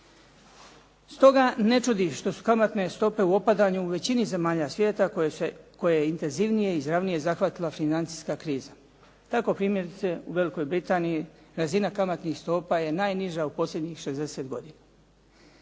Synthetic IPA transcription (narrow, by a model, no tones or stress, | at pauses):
st̪o̞ɡane̞t͡ʃud̪iʃt̪o̞su̥kamat̪ne̞st̪o̞pe̞uo̞pad̪aɲuːʋe̞t͡ɕinize̞maːʎasʋje̞ːt̪ako̞jejeint̪e̞nziʋnije̞izɾaʋnije̞zaxʋat̪ilafinant̪si̥skakɾiːza | t̪ako̞pɾiːmje̞ɾit̪se̞ṵʋe̞liko̞jbɾit̪aːnijiɾazinakamat̪nixst̪o̞ːpaje̞naːjniʒaupo̞slʎʲe̞d̪ɲixʃezd̪e̞se̞t̪ɡo̞d̪ina